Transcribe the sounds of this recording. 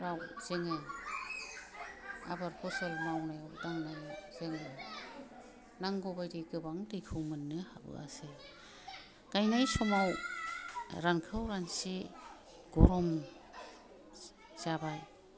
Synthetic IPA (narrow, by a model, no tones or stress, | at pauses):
ɾawz̥eŋɯj | a̰baɾpʰɔsɯlmawnajawdaŋnajz̥eŋɯ | naŋɡɔbajdiɡɯbaŋdɯjkʰɯwmɯnːɯhabɯ̰a̰se | ɡ̥ajnajsɔmaw | ɾankʰɯwɾansi | ɡ̥ɔɾɔm | z̥abaj